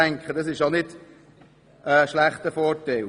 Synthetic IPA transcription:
æŋkχədɑsɪʃjonɪd̥ | əʃlæχtəfɔːɾtɛl

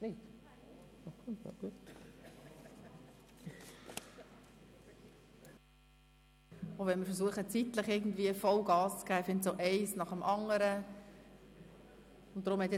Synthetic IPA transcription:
nit | ɑkʰʊna̰ɡ̥uət | oʊvɛnmɪɾfəɾs̬uəχət͡sit̪ləχɪɡn̩dviəfɔlɡɑːst͡skæːɪfɪntsoʔɛɪsnɑχəmʔɑŋəɾə | ʊntd̥̪ɾʊmhɛt̪jɛ

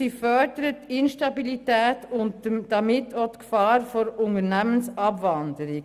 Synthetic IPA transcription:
ifœɾdəɾətːɪnʃtɑbilitɛːtʊntd̥ɑmɪtʰːotkfɑːɾfɔɾʊnəɾnæmənsɑbʋɑndəɾi

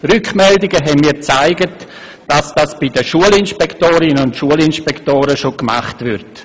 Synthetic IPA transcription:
ɾʏkʰmɛldɪɡəɦɛnmiːɾt͡saɪɡət | d̥asd̥asb̥ɪdəʃuəlɪnʃpɛktoːɾɪnəʊntʃuəlinʃpɛktoːɾəʃokma̰χtʋɪɾt

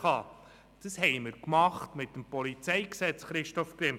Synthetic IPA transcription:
ɑː | d̥əshɛɪmɪɾkmɑχtmɪt̚ːəmpɔlit͡sɛɪksɛt͡sχɾɪʃtɔfkɾɪm

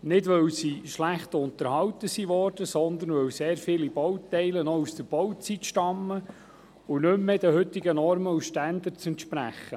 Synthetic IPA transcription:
nɪdʋœwsiʃlæχt̪ʊnt̪əɾhɑwt̪əsiʋɔrd̥əsɔnd̪ənʋœwseːɾfɪlib̥ɔwt̪ɛɪlənɔusd̥̪əɾb̥ɔwt͡sit̪ʃtɑmːə | ʊnɵmːed̪əɦɵt̪ːɪɡənɔɾməuʃtænd̪ət͡sɛnt̪ʃpɾæ̰χːə

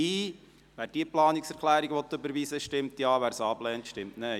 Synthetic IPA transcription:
iː | ʋæːɾd̥iːəplɑːniksɛɾkʰlæːɾiɡʋɔt̪ːøbəɾʋiːsəʃtɪmt̪jɑːʋæːɾsɑːblɛːntʃtɪmtne

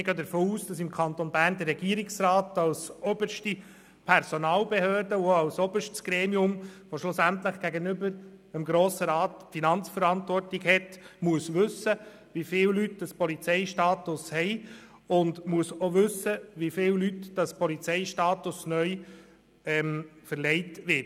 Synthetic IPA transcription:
ɪɡœːd̪əɾfoːuːsd̥ɑsɪmkʰɑnt̪onbæːɾnd̪ərːɛɡiəɾɪksraːt̪ɑlsɔbəʃti | pʰɛɾsonɑːlbeɦhøːɾdəuɑlsɔbəʃtsɡ̥ɾeːmiʊmʋoʃlʊsæntləχɡ̥æɡənʏbəɾəmɡɾoːsəɾɑːtfinɑnt͡sfəɾɑntʋɔrtɪɡhɛtmuəsʋɵsːə | ʋifɪːwlytd̥ɑspɔlit͡sɛɪʃtɑːtʊshɛɪ | ʊndmuəsoʋɵsːəʋifɪːllytd̥ɑspɔlit͡sɛɪʃtɑːtʊsnœʏ | ɛmfəɾlɛɪtʋɪt

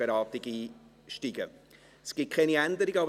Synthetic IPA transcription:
əɾɑːtɪɡiː | ʃtiɡ̥ə | sɡ̥it̚kʰɛniænd̪əɾɪɡəɑbə

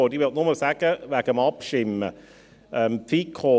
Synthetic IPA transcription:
oːdiʋɪltnʊməlsæːɡ̥əvæːɡ̥əmɑpʃɪmə | œmpfiːkʰoː

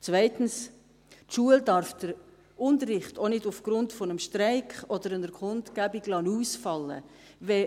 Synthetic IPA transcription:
t͡svæɪtn̩s | tʃuəldɑɾfd̥əɾ | ʊntərːɪχtonɪdʊfɡ̥ɾʊntfɔnəmʃtɾaɪkχɔd̥əɾənəɾkʰʊntkæbiɡlɑnuːsfɑlːə̰ | vɛ

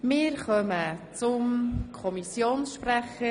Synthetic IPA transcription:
mɪːɾχœmət͡sʊmkʰɔmisjoːnsʃpræχə

